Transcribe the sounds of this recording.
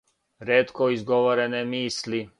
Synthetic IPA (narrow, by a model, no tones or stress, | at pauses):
ɾeːt̪koizɡoʋoɾenemiːsli